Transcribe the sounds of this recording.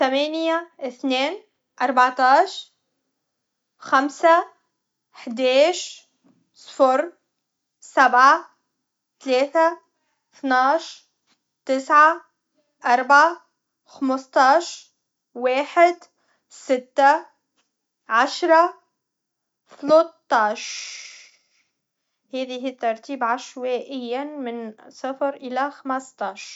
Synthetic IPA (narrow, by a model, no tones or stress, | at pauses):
t̪amaːnjaʔɪθneːn | ʔɑɾˤbaʕt̪ɑːʃ | xamsa | ħd̪aːʃ | sˤfʊɾ | sabʕa | t̪aleːt̪a | θnaːʃ | t̪ɪsʕa | ʔɑɾˤbʕa | xamɑst̪ˤɑːʃ | waːħɪd̪ | sɪt̪ːa | ʕaʃɾˤɑ | θlɑt̪ˤːɑːʃ | hɛːðiɦiːt̪ːɑɾˤt̪iːbʕaʃwæːʔɪjːamɪnsɑfɾʔɪlaxamɑst̪ˤɑːʃ